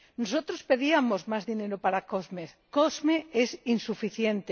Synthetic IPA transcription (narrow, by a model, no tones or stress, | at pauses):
nosot̪ɾospeðiamozmazðineɾopaɾakozmeskozmeesinsufiθjent̪e